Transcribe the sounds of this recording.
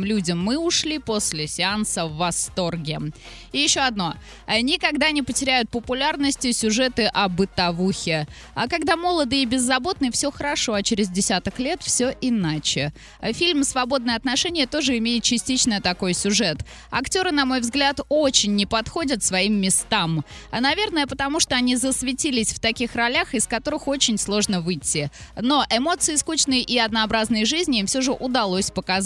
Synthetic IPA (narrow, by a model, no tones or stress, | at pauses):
mlʲudʲɪmːɨʊʂlʲipo̞sʲlʲɪsʲɪansəvːɐst̪o̞rɡʲɪ | ɪjɪɕːo̞ɐd̪no̞ | nʲɪkɐɡd̪anʲɪpətʲɪɾʲæjʊt̪̚pəpʊlʲarnəsʲtʲɪsʲʊʐɛt̪ɨʔɐbɨt̪ɐvuxʲɪ | akɐɡd̪amo̞lˠəd̪ɨɪbʲɪzːɐbo̞t̪̚nɨfsʲɵxəɾɐʂo̞ɐt͡ɕɪɾʲɪzdʲɪsʲat̪əklʲet̪fsʲɵʔɪnat͡ɕɪ | fʲilʲmsvɐbo̞d̪nəjəɐt̪nɐʂɛnʲɪjət̪o̞ʐɨɪmʲejɪt̪̚t͡ɕɪsʲtʲit͡ɕnəjət̪ɐko̞jsʲʊʐɛt̪ | ɐ̰ktʲo̞ɾɨnɐmo̞jvzɡlʲat̪o̞t͡ɕɪnʲːɪpɐt̪xo̞dʲət̪svɐimːʲɪst̪amɐnɐvʲe̞rnəjəpət̪ɐmuʂt̪o̞ɐnʲizəsvʲɪtʲilʲɪsʲft̪ɐkʲixrɐlʲaxɪskɐt̪o̞ɾɨxo̞t͡ɕɪnʲslˠo̞ʐnəvɨtʲːɪno̞ʔɪmo̞t̪sɨɪskut͡ɕnɨjʔɪɐd̪nəɐbɾaznɨjəʐɨzʲnʲɪimfsʲoʐɨʔʊd̪ɐlˠosʲpəkɐ